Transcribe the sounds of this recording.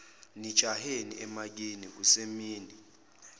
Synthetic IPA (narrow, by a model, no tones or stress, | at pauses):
ni̥t͡ʃʰʼahenḭʔɛmak̬iniusemiːni